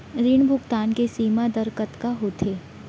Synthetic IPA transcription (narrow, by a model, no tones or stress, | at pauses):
ɾɪɳ̃bʱʊɡt̪aːnkesiːmad̪əɾkət̪kaɦot̪ʰeː